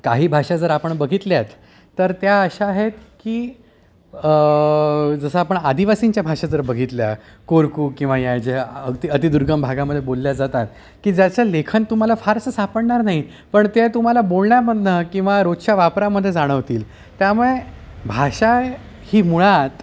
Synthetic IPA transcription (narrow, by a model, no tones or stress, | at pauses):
kaɦiːbʱaʂad͡zəɾapəɳbəɡʱit̪ljat̪ː | əɾt̪jaəɕaːɦet̪kiː | d͡zəsəapəɳad̪iʋasiɲt͡ɕjabʱaʂad͡zəɾbəɡʱit̪lja̰ | koɾkuːkĩw̃ʋajajd͡ʑeət̪iət̪id̪uɾɡəmbʱaɡaməd̪ʱːjebolːjad͡zat̪at̪ | kiːd͡zjat͡ɕjalekʰənt̪um̤alafaɾsəsapəɽɳaɾnaɦi | pəɳt̪et̪um̤alabolɳjabəd̪ʱnəkĩw̃ʋaɾotʂaʋapɾaməd̪ʱːjed͡zaɽ̃əʋt̪iːl | t̪jamuɭe | bʱaʂa | hiːmuɭat̪